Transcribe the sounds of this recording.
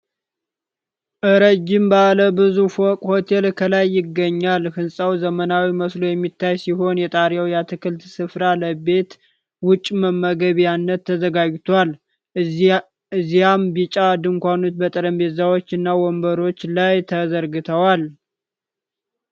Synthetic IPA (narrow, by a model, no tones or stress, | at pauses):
ʔɨɾəd͡ʒːɪmbaləbɨzufɔkʼho̞t̪ʰe̞lkʰəlajːɪɡːəɲːalhɨnsʼawzəmənawiməslo̞jɛmːit̪ʰːajsiɦo̞njɛt̪ʼaɾjawjat̪ʰɨkʰɨlt̪sɨfɾaləbe̞t̪ | wʊt͡ʃʼːməmːəɡəβjanːət̪ʰːəzəɡaɡt̪ʰal | ɨzːijambit͡ʃʼad̪ɨŋkʷanot̪bət̪ʼəɾəmbe̞zawot͡ʃːɨnːawɔmbəɾo̞t͡ʃːlajt̪ʰəzəɾɡɨt̪ʰəwal